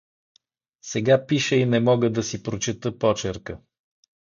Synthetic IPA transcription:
sɛɡapiʃəinɛmɔɡəd̪ɐsipɾot͡ʃit̪əpɔt͡ʃɛɾkə

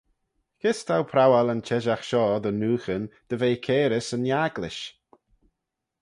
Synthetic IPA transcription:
kʰɪst̪ʰawpʰɾawalənt͡ʃɛʒaxʃɔːd̪ənuːxənd̪̥əveːkʰeːɾɪsənjaːɡlɪʃ

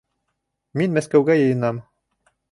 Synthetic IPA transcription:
minmæskæwɡæjɤ̆jɤ̆nɑm

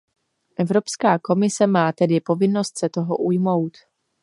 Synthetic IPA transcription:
ʔɛvɾo̞pskaːko̞mɪsɛmaːt̪ɛdɪpo̞vɪno̞st̪sɛt̪o̞ɦoʔujmo̞wt̪

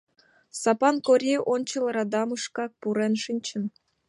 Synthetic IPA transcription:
sɑpɑnkoɾʲiʔonʲt͡ɕɤ̆lˠɾɑd̪ɑmɯʂkɑk̚puɾenʃinʲt͡ɕə̆n

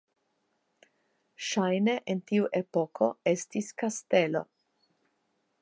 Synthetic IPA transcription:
ʃajneʔentiuʔe̞po̞kʰo̞e̞stiskaste̞lo̞̰

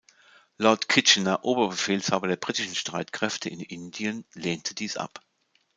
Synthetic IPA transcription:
lɔɐtkʰɪt͡ʃnɐʔoːbɐbəfeːlshaːbɐdeːɐbʁiːtɪʃn̩ʃtʁ̥aɪtkʁ̥ɛftʰəɪnɪndiənleːntʰədiːsʔa̰p

